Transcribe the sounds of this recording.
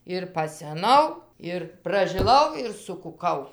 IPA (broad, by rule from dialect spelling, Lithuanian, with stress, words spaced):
ɪr pɐsʲɛˈnɐʊ ɪr prɐʒʲɪˈlˠɐʊ ɪr sʊkʊˈkɐʊ